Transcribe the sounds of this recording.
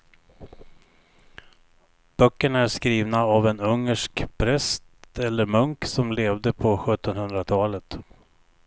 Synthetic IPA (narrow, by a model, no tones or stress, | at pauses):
b̥œkːəɳæʂkɾiːvnaavɛnɵŋːəʂkpʰɾɛst̪ɛlːəɾmɵŋksɔmleːvd̪əpʰɔɧɵt̪ːɔnhɵnd̪ɾat̪ʰɑːlət̪